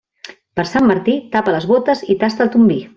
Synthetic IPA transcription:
pəɾsamːəɾt̪it̪apələzβot̪əzit̪ast̪əlˠt̪umbi

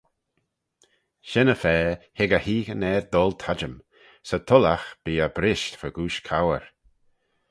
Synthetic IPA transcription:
ʃɛnəfɛːhɪɡəhiːɡənɛːɹd̪ɔlˠt̪ʰad͡ʒəm | sət̪ʰɔlaxb̥iːəbɾɪʃtfəɡuːʃkʰawəɹ

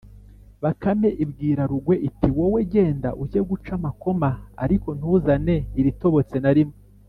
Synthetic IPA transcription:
βakame̞ʔibɡiːɾaɾuɡwe̞ʔitiwoweɟe̞ːnda̰ʔujeɡut͡ʃamako̞ma̰ːɾiko̞n̥huːzane̞iɾito̞βo̞t͡se̞naɾimo

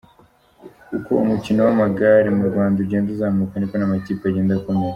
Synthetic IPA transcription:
uko̰ṵmucino̞wamaɡaːɾimuɾɡwaːndauɾɟeːnzuzaːmukanikonamaciːpeaɟe̞ːndakomeɾa

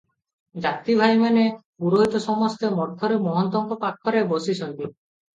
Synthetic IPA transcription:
d͡ʒat̪ibʱajmanepuɾoɦit̪ɔsɔmɔst̪emɔɾt̪ʰɔɾemɔɦɔnt̪ɔŋkɔpakʰːɔɾebosisʰɔnt̪i

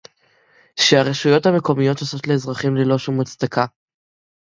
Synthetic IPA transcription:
ʃeaʁeʃujo̞thame̞ko̞mijo̞t̪oso̞t̪leːzʁaχimlelo̞ʃumat͡st̪aka

